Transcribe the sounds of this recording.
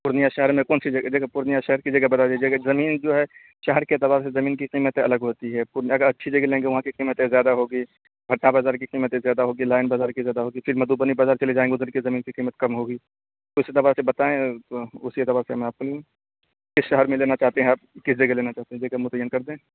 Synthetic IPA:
pʊɾnijaʃɛɦəɾmẽkɔːnsid͡ʒɐɡd̪eːkʰɛpʊɾnijaʃɛɦəɾkid͡ʒɐɡɛbɐt̪ad͡ʒd͡ʒɐɡɛzɐmiːnd͡ʒoːɦɛ | ʃɛɦəɾkeɪt̪ɪbaːɾsezɐmiːnkiqiːmət̪ẽɐ̰ləɡɦoːt̪iɦɛpʊɾnɐɡəɾɐtːʃʰid͡ʒɐɡɛlẽːŋɡeʋɐɦãkiqiːmət̪ẽzjaːd̪aɦoːɡiː | bʱɐʈnãbaːzaːɾk̬iqiːmət̪ẽzjaːd̪aɦoːɡilaːɪnbaːzaːɾkizjaːd̪aɦoːɡifɪɾmɐd̪uːbənibaːzaːɾt͡ʃɐlid͡ʒaːẽŋɡeʊzəɾkezɐmiːnkiqiːmət̪̚kɐmɦoːɡiː | t̪oɪsɪt̪ɐbaːɾsebɐt̪aːẽt̪oʊsiet̪ɪbaːɾseɐmɛ̃aːp̚kole | kɪsʃɐɦəɾmẽleːnat͡ʃaːɦt̪eɦɛ̃aːp̚kɪsd͡ʒɐɡɛleːnat͡ʃaːɦt̪eɦɛ̃d͡ʒ̪eːkɛmʊt̪əjːənkɐɾd̪ẽː

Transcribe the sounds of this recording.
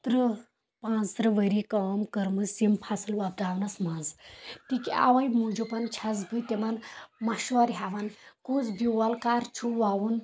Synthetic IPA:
t̪ɾɨ | pãːt͡s̪ɾɐʋəɾikaːmkəɾmɨsimpʰasɨlʋab̚d̪aːwnɐsmazt̪ikia̰ʋɐjmũːd͡ʒupɐnt͡ʃʰɐzbɨt̪ʲemɐnmaʃɔɾɦaʋɐnkut͡sbiwɐlkaːɾt͡ʃʰuʋawun

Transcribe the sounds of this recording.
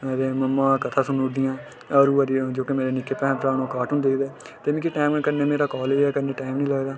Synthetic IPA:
ɾeːməmːãːkət̪ʰaːsʊnʊʈd̪ɪjãː | əɾuːəɾid͡ʒoːkemeːɾeːnɪkːeːpɛ̃ːɾaːnoːkaːʈʊnd̪eːkʰd̪eː | t̪eːmĩːkiʈaːmkəɾneːmeːɾaːkɔːleːd͡ʒɛːkəɾneːʈaːɪmnĩːləɡd̪aː

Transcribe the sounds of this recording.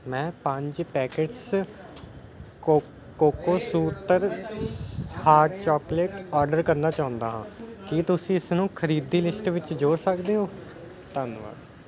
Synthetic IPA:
mɛ̃ːpə̃ɲd͡ʒpɛːkeːʈs | koːkoːsuːt̪əɾ | haːɾʈt͡ʃɔːpleːʈɔːɾɖəɾkəɾnaːt͡ʃãːʊ̃nd̪aːɦãːkit̪ʊsĩːɪsnũːkʰəɾiːd̪iːlɪsʈʋɪt͡ʃd͡ʒoːɾsəkd̪eːɦoː | t̪ənʋa̰ːɾ

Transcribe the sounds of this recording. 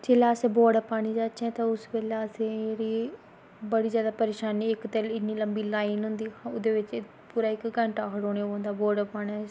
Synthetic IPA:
d͡ʒeːlaːsẽːboːɾɖəpaːɽ̃iːd͡ʒaːt͡ʃɛ̃ːt̪ãʊsbeːlaəsẽɾiː | bəɽiːzjaːd̪aːpəɾeːʃaːniːɪkt̪ɛlɪniːləmbiːlaːinɦʊnd̪iːʊd̪eːʋɪt͡ʃ | puːɾaːɪkɡəɳʈaːkʰəɽoːɽeːãːnd̪aːboːɾɖəpaːɽaː

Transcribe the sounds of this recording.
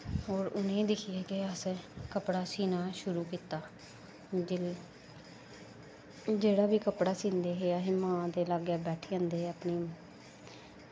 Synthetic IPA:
ɦɔːɾʊnẽːd̪ɪkʰɪjeːkɪəskəpɽaːsiːnaːʃʊɾuːkiːt̪aː | d͡ʒ | d͡ʒeːɽaːʋiːkəpɽaːsĩːnd̪eːɦeaːɦɪːmãːd̪eːlaːɡjaːbɛːʈʰeːãnd̪eːəpniː

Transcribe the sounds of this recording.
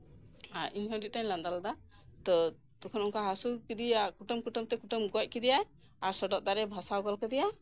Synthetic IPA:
aɾʔiɲɦɔɖiʔ̚t̪aɲland̪ald̪a | t̪ɔ | t̪ɔkʰɔnɔŋkaɦasukid̪iakuʈɔmkuʈɔmt̪ɛkuʈɔmɡɔc̚kid̪ija | aɾsɔɖɔʔ̚d̪aɾɛbʱɔsawɡɔlkɛd̪ɛja

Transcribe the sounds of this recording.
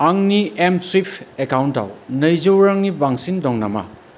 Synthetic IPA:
aŋniemswipʰekawnta̰wnɐjzɯwɾaŋnibaŋsindɔŋna̰ma̰

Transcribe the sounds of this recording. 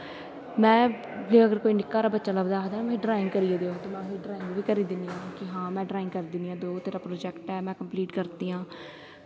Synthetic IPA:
mɛ̃ː | d͡ʒeəɡəɾkoːiːnɪkːaːɾaːbətːʃaːləbd̪aːd̪aːm̃ːɖɾaːɪ̃ŋɡkəɾiːeːd̪eːot̪oːmɛ̃ːeːɖɾaːɪŋɡʋiːkəɾiːd̪ɪniãːkɪɦãːmɛ̃ːɖɾaːɪ̃ŋɡkəɾiːd̪ɪnijãːd̪oːt̪eːɾaːpɾoːd͡ʒɛːkʈɛːmɛ̃ːkəmpliːʈkəɾt̪iːãː

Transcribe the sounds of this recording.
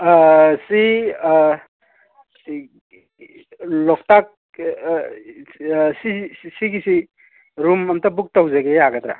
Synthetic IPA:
si | lɔk̚tak̚ | sisiɡisi | ɾumɐmtabuk̚tawzeɡeaɡatɾa̰

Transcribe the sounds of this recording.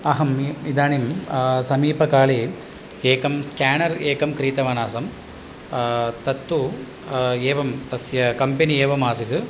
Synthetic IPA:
ɐɦɐmid̪aːnimsɐmiːpɐkaːɭi | eːkɐmskaːnɐɾeːkɐmkɾiːt̪ɐʋɐnaːsɐm | t̪ɐt̪ːu | eːʋɐmt̪ɐsjɐkɐmpenieːʋɐmaːsit̪ɯ

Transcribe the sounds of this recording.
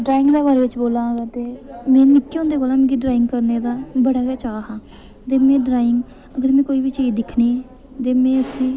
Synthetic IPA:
ɖɾaːɪ̃ŋɡd̪aːbaːɾeːʋɪt͡ʃboːlãːɡat̪eːmɛ̃ːnɪkːõnd̪eːkoːlãːmẽːɡiːɖɾaːɪŋɡ̚kəɾneːd̪aːbəɽaːkeːt͡ʃaːɦaː | t̪eːmɛ̃ːɖɾaːɪŋɡ | əɡəɾmɛ̃ːkoːiːʋiːt͡ʃeːd͡ʒd̪ɪkʰniː | t̪eːmɛ̃ːəsʰĩː

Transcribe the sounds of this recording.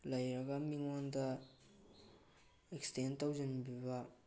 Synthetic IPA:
lajakamiŋɔnt̪a | ɛkstʰɛnt̪op̚d͡ʑinpyːpa

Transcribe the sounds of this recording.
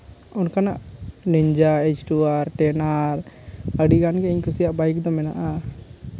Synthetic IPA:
ɔnkanaʔniɲd͡ʒaet͡ʃʈuaɾʈɛnaɾəɖiɡanɡɛiɲkusijaʔbajkd̪ɔmɛnaʔa

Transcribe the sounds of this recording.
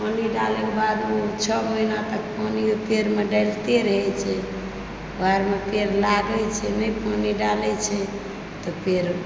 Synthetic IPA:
pʰəniɖalɛkbad̪met͡ʃʰɔməinat̪ək̚panijop̪eɾmeɖəlt̪eɾəɦɛt͡ʃʰɛ | baɾmet̪eɾlaɡət͡ʃʰɛnəjpʰəniɖalɛt͡ʃʰɛ | t̪ɔpʰeɾ

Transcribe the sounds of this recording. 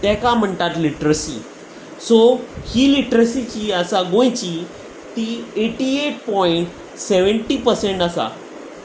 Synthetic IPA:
t̪ɛ̃kam̤əɳt̪at̪liʈɾəsḭ | sohiːliʈɾəsit͡ɕiːəsaɡõjt͡ɕi | t̪iːeʈieʈ̚pɔiɳʈ | seʋəɳʈiːpəɾseɳʈasa̰

